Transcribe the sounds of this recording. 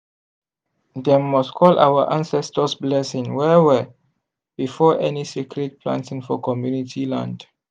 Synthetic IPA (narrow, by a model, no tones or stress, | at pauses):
dɛmmːɔstkʰɔlʔa̰wəʔãnsɛstəsblɛsĩŋwɛwɛ | b̥ifɔʔɛnisikʰɹɛt̚pʰlã̰ntĩŋfɔkʰɔmjunitʰilã̰nd